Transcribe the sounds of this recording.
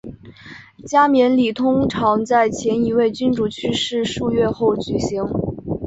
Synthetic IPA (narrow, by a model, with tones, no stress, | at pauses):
t͡ɕja˥mjɛ˧˥nli˨˩t̪ʰʊ˥ŋʈ͡ʂʰɑ˧˥ŋt͡sa˥˩ɪt͡ɕʰjɛ˧˥ni˧˥we˥˩ɪt͡ɕy˥nʈ͡ʂu˥˩t͡ɕʰy˥ʂɻ̩˥˧ʂu˥˧ɥɛ˥˧xo˥˩ʊt͡ɕy˨˩ɕi˧˥ŋ